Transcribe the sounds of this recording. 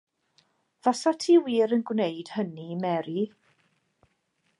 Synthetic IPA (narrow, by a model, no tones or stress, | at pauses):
v̥asatʰiːwiːɾənɡwnejd̥hənimɛɾi